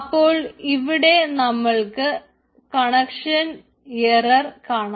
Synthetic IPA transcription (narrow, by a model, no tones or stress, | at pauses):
pːo̞ːɭiʋiɽe̞nɐmːɐɭkɨ | kɐɳɐkʂɐn | erɐrkaːɳa